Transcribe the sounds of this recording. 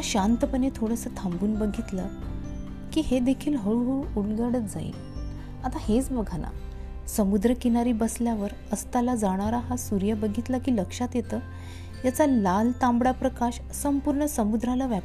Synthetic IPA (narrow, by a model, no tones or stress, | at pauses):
aɕant̪əpənet̪ʰoɽəsəːt̪ʰambuːnbəɡʱit̪lə | kiːɦed̪ekʰiːlɦəɭɦuulɡəɽət̪̚d͡za̰ḭ | at̪ahet͡sbəɡʱana̰ | səmud̪ɾəkinaɾiːbəsljaʋəɾ | əst̪alad͡zaɽ̃aɾaɦasuɾjəbəɡʱit̪lakiːləkʂat̪jet̪əː | jat͡salalt̪ãmbɽapɾəkaɕ | səmpuɾɳəsəmud̪ɾalaʋjap